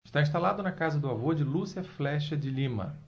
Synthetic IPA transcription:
ɪʃt̪aĩs̬t̪alad̪ʊnɐkazɐd̪ʊavod͡ʒɪlusiɐflɛʃɐd͡ʒɪlĩmɐ̰

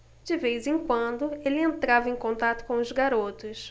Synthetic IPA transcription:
d͡ʒɪvejzẽkwɐ̃nd̪ʊelɪẽnt̪ɾavɐẽjkõnt̪at̪ʊ̥kõʊzɡaɾot̪ʊs

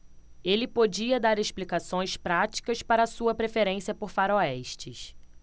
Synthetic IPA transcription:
elɪpod͡ʒiɐd̪aɾeʃplikasõj̃spɾat͡ʃi̥kɐspaɾɐsuɐpɾefeɾẽsiɐpoɾfaɾoɛʃt͡ʃɪs

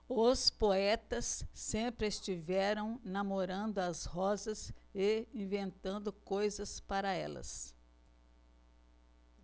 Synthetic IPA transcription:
ʊspoɛt̪ɐsːẽpɾɪest͡ʃivɛɾɐ̃w̃namoɾɐ̃nd̪ʊɐshɔzɐseĩvẽnt̪ɐ̃nd̪ʊkojzɐspaɾɐɛ̰lɐ̰s

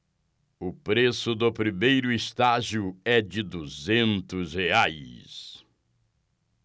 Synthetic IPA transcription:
ʊpɾesʊd̪ʊpɾimejɾʊɪst̪aʒiʊɛd͡ʒɪd̪uzẽnt̪ʊsheajs

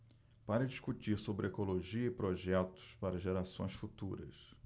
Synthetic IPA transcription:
paɾɐd͡ʒiskut͡ʃiɾsobɾɪekoloʒiɐɪpɾoʒɛt̪ʊ̥spaɾɐʒeɾasõ̰j̃sfut̪uɾɐ̰s

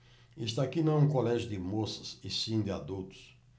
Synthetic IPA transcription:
ist̪akinɐ̃ũkolɛʒʊd̪ɪmosɐ̥sɪsĩd̪ɪad̪ut̪ʊ̥s

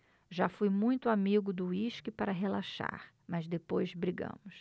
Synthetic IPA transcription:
ʒafujmũj̃t̪ʊamiɡʊd̪ʊiʃkɪpaɾɐɦelaʃa̰ɾ | mɐzd̪epojzbɾiɡɐ̰̃mʊs

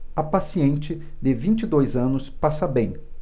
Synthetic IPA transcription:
ɐpasiẽnt͡ʃɪ | d̪ɪvĩt͡ʃid̪ojzɐ̃nʊspasɐbẽj̃

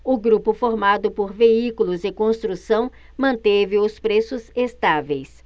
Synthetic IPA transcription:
ʊɡɾupʊfoɾmad̪ʊpoɾveikulʊzɪkõst̪ɾusɐ̃w̃ | mɐ̃nt̪evɪʊspɾesʊzest̪avejs

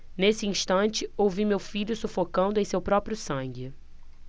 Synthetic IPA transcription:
nesɪĩʃt̪ɐ̃nt͡ʃɪowvimewfiʎʊsufokɐ̃nd̪ʊẽj̃sewpɾɔpɾjʊsɐ̃ŋɡɪ

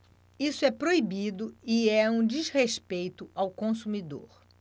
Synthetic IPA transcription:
isʊɛpɾoibid̪ʊiɛũd͡ʒizheʃpejt̪ʊawkõsumid̪o̰ɾ

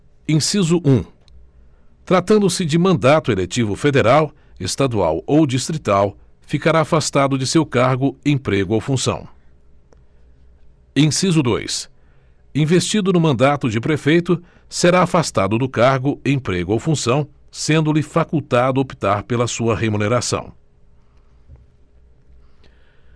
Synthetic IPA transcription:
ẽsizʊʔũ | t̪ɾat̪ɐ̃nd̪ʊsɪd͡ʒɪmɐ̃nd̪at̪ʊelet͡ʃivʊfed̪eɾaw | est̪ad̪ua̰wowd͡ʒist̪ɾit̪aw | fikaɾaːfast̪ad̪ʊd͡ʒɪsewkaɾɡʊẽpɾeɡʊawfũsɐ̰̃w̃ | ẽsizʊd̪o̰js | ĩvest͡ʃid̪ʊnʊmɐ̃nd̪at̪ʊd͡ʒɪpɾefejt̪ʊ | seɾaafast̪ad̪ʊd̪ʊkaɾɡʊẽpɾeɡʊowfũsɐ̃w̃ | sẽnd̪ʊlɪfakuwt̪ad̪ʊopi̥t̪aɾpelɐsuɐhemũneɾasɐ̰̃w̃

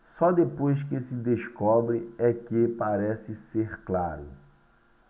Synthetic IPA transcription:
sɔd̪epojskɪsɪd̪eʃkɔbɾɪɛkepaɾɛsɪseɾklaɾʊ̰

